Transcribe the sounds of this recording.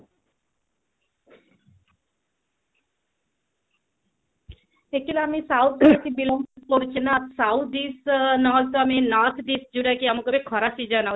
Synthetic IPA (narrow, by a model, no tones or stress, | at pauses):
ekilaamisawt̪̚ʰd͡ʒuakibilɔmpkoɾit͡ɕʰinasawt̪̚ʰdisnɔlt̪oaminɔɾt̪ʰdisd͡ʒuɽakiamokɔbekʰɔɾasid͡ʒana